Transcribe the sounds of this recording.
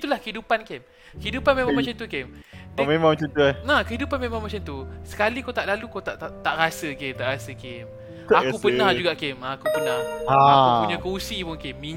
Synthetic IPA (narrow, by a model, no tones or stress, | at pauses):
t̪ulahkəidupankem | kəɦidupanmẽmãŋmat͡ʃant̪ukemamemãŋmat͡ʃant̪uanakəɦidupanmemãŋmat͡ʃant̪usə̥kalikot̪aʔlalukot̪aʔt̪aʔt̪aʔɾasəket̪aʔɾasəkem | akupənnãhd͡ʒuɡaʔkemakupənahaukuɲakousipʊŋkemːi